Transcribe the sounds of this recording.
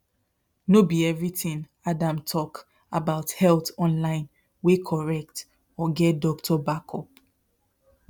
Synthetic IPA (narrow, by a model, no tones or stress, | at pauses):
nobiɛvɹitĩŋ | adãmtʰɔk | abaʊthɛlˠtɔ̃nlãɪ̃n | wekʰɔɹɛk̚t | ɔɡɛt̚dɔk̚tʰɔbakʰɔp̚